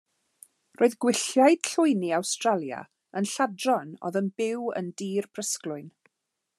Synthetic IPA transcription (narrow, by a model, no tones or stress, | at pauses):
rʔoːɨðɡwɪɬjaɨd̥ɬʊɨniawstralˠja̰ | ənɬadrɔnɔ̰ðənbɪwə̰ndiːrpʰr̥əsklʊɨn